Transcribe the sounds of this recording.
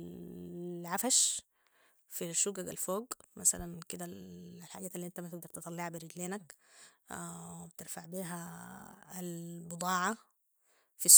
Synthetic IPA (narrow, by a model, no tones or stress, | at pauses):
ʕafaʃ | fiʃuɡaɡalfoːɡmasa̰lankɪd̪ælħaːɡæːt̪alːiʔent̪æmæt̪ɪɡ̚d̪ɑɾt̪ɨt̪ˤɑlːeʕabiɾɪɡleːnak | wɪbt̪ɪɾfaʕbiːɦæ | lbɨd̪ˤɑːʕa | fis